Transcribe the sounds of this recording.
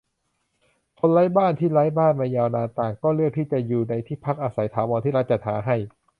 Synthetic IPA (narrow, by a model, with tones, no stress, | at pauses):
kʰo˧nlaː˦˥jbaː˥˩nt̪ʰiː˥˩laː˦˥jbaː˥˩nmaː˧jaː˧wnaː˧nt̪aː˨˩ŋkɔː˥˩lɯ˥˩k̚t̪ʰiː˥˩t͡ɕa˨˩juː˨˩na˧jt̪ʰiː˥˩pʰa˦˥k̚ʔaː˧sa˩˦jt̪ʰaː˩˦wɔː˧nt̪ʰiː˥˩ɾa˦˥t͡ɕa˨˩haː˩˦ɦa˥˩j